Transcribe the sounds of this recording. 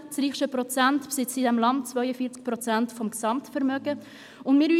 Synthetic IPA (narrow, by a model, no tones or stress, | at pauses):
t͡sɾiːχʃəpʁɔt͡sæntpsɪt͡sidɛmlɑnt̚t͡svœʏəfiːt͡sk̚pʁɔt͡sæntfɔmksɑmtfɛɾmœɡ̥ə | ʊndmɪːɾyː